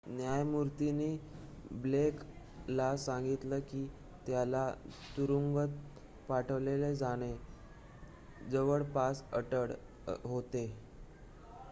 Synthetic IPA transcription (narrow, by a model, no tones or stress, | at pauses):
njajmuɾt̪iniː | blek | lasaŋɡit̪ləkiː | t̪jalat̪uɾuŋɡət̪̚ | paʈʰəʋleled͡zaɽ̃e | d͡zəʋəɭpasə̰ʈəɽ | ɦot̪e